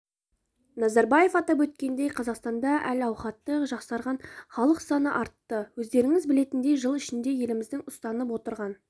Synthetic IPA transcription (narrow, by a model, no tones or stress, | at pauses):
nɑzɑɾbɑje̞fɑt̪ɑp̬wɵt̪̚kʲe̞nd̪e̞jqʰɑzɑqst̪ɑnd̪ɑʔælɑwχɑt̪ːəqʒɑqsɑɾʁɑnχɑlˠəqsɑnəʔɑɾt̪ːəwɵzd̪e̞ɾɪŋɪzbɪle̞t̪ɪnd̪e̞ʒəlˠɪʃɪnd̪e̞je̞lɪmɪzd̪ɪŋʊst̪ɑnəp̬wo̞t̪əɾʁɑn